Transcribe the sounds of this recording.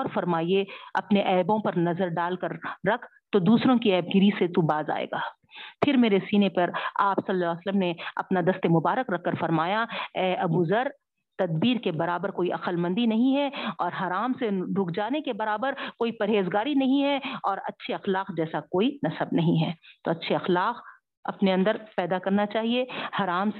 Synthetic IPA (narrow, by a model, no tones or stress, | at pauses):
ɔːɾfɐɾmaːieɐ̰pneʔɛːbõpɐɾnɐzəɾɖaːlkɐɾːɐkʰ | t̪od̪uːsɾõkiɛːb̚ɡɪɾiset̪ubaːza̰ːḛːɡaː | pʰɪɾmeːɾesiːnepɐɾaːpsɐlːsələmneɐ̰pnad̪ɐst̪emʊbaːɾəkɾɐkʰːɐɾfɐɾmaːjaɛːɐbuzɐɾ | t̪ɐd̪̚biːɾkebɐɾaːbəɾkoːiʔɐqəlmɐ̃nd̪inɐɦĩɦɛɔːɾɦaːɾaːmseɖʱʊkʰd͡ʒaːnekebɐɾaːbəɾkoːipɐɾɦeːzɡaːɾinɐɦĩɦɛɔːɾɐ̰tːʃʰeɐxlaːqd͡ʒɛːsakoːinɐsəbnɐɦĩɦɛːt̪oːɐtːʃʰeɐxlaːq | ɐ̰pneɐ̃nd̪əɾpɛːd̪akɐɾnat͡ʃaːɦiehaːɾaːms